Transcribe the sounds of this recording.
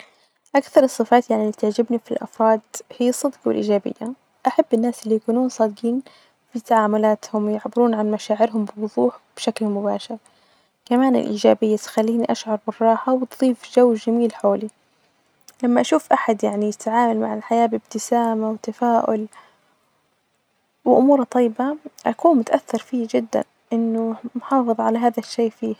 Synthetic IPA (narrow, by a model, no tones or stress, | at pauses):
ʔakθɑɾˤɨsˤːɨfɑːt̪jaʕnilːiːt̪ɪʕd͡ʒɪbnifilʔɑ̰fɾˤɑːd̪hijːasˤːɨd̪qwɪ̰lʔḭːd͡ʒaːbɪ̰jːa | ʔaħabːɪnːaːsɪlːijakuːnuːnsˤɑːd̪qiːn | fit̪aʕaːmʊlaːt̪hʊmjɪʕbɪɾuːnʕanmaʃaːʕɪɾɦʊmbɪwʊðˤuːħb̥ʃaklmʊba̰ːʃɪɾ | kamaːnɪ̰lʔiːd͡ʒaːbɪjːat̪xalːiːniʔaʃʕɑɾˤbɪrˤːɑːħawt̪ðˤiːfʒawːʒamiːlħoːli | lamːaʔaʃuːfʔaħad̪jaʕnijɪt̪ʕaːmalmaʕɪlħajaːbɪbt̪ɪsaːmawɪt̪afaːʔʊl | wɪʔʊmuːɾhɑt̪ˤːɑjːbaʔakuːnmʊt̪ʔaθːɑɾˤfiːd͡ʒɪd̪ːa̰n | ʔɪnːʊmħɑːfɨðˤʕalaɦaːðaʃːeːʔfiː